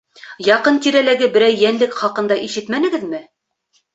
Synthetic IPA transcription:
jɑqɤnt̪iɾælæɡɘbɘ̆ɾæjːænlɘkχɑqɤ̆nd̪ɑʔiʃɘt̪mænɘ̆ɡɘðmɘ

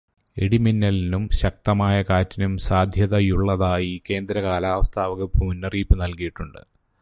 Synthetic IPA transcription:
e̞ɽiminːɐlinumɕɐk̚t̪ɐmaːjɐkaːtːinumsaːd̪ʱjɐðɐjuɭːɐðaːjike̞ːnd̪ɾɐkaːlaːʋɐst̪ʰaːʋɐɣɐbʱunːɐriːpːɨnɐlkijiʈːuɳɖɨ̰

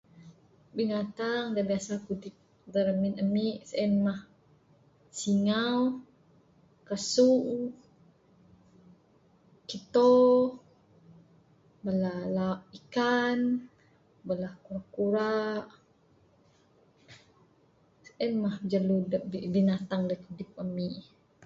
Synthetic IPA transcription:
binat̪aŋdabiasakudik̚ | dəɾəminəmiʔsəʔɛnmah | siŋaw | kəsuʔ | kit̪o | bəlalaʔikan | bəlahkuɾaʔkuɾaʔ | sə̥ʔɛnmahd͡ʒəludəibinat̪aŋdajkudɪp̚əmiʔ

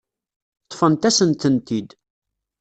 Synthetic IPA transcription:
t̪ˤːfənt̪æsənt̪ənt̪id̪

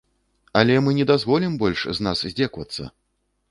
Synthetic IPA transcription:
alʲɛmɨnʲɛd̪azvɔlʲimbɔlʲʂznaszʲd͡zʲɛkvɐ̰t̪sːɐ̰

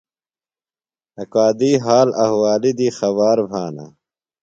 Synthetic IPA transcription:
ɐkaːd̪iːɦaːlɐhwaːlid̪ixɐβaːɾbʱaːna̰

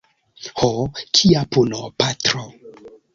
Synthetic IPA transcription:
hokʰiapunopatɾo

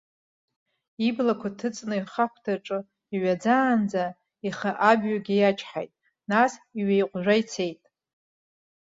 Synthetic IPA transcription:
iblakʷʰatʰɨt͡sʼnɨiχakʷʰtʰaʈ͡ʂʼɨ | iɥʷad͡zaːnd͡za | iχaʔabɥaɡʲijat͡ʃʰʼħa̰jtʼ | nasiɥejqʷʼʒʷᶣajt͡sʰe̞jtʼ

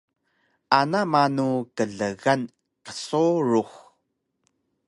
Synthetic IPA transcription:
ʔanamanukəɮəɣan | qə̥soɾux

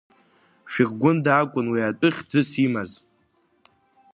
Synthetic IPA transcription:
ʃᶣiʁɡʷʊndakʷʼʊnwiatʼɨχʲd͡zɨsimaz

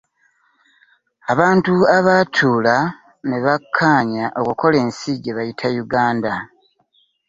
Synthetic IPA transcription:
aβaːntuaβatʰuːla | neβakʰːaːɲaʔo̞kukʰo̞le̞ːnsiɟeβajitʰajuɡaːnda

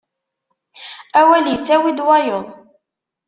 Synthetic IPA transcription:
æwæljət͡sːæwid̪wɑjoðˤ

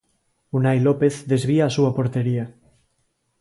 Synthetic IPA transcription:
unajlopeθðezβ̞iaːsuapoɾt̪eɾia

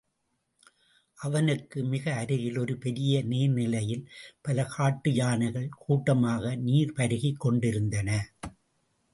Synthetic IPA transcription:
ʔɐʋɐnɯkːɯmɪɣɐːɾɯɣɪlɔɾɯpɛɾɪjɐneːɾnɪlɐjɪlpɐlɐkaːʈːɯjaːnɐɣɐɭkuːʈːɐmaːɣɐniːɾpɐɾɯɣɪkːɔɳɖɪɾɯnd̪ɐnɐ

